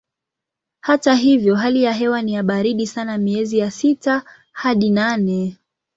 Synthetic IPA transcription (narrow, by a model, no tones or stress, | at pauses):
hataɦivjɔɦalijaɦɛwanijaɓaɾiɗisanamiɛzijasita | haɗinanɛ